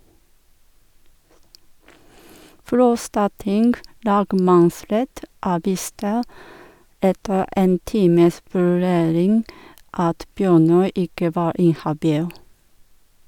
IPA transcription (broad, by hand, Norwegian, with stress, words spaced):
ˈfɾɔstɑˌtɪŋɡ ˈlɑːɡmɑnˌsɾɛt ˈɑːˌʋiːstə ˈɛtə ˈeːn ˈtiːməs ʋʉˈɾeːɾɪŋɡ ˈɑt ˈbjøːˌnœʏ ˈɪkə ˈʋɑːɾ ˈɪnhɑˌbiːl